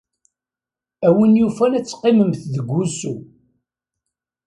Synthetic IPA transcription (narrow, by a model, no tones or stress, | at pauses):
æwənjufænæt͡sːqːɪməmθðəɡʷːusu